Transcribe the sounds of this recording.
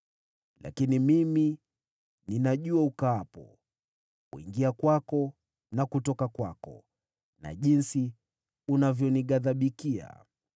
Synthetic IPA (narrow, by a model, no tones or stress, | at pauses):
la̰kinimimi | ninaʄuaukaapɔ | kwḭŋɡiakwakɔ | nakutɔkakwakɔ̰ | na̰ʄinsi | unavjɔniɠaðaɓikia̰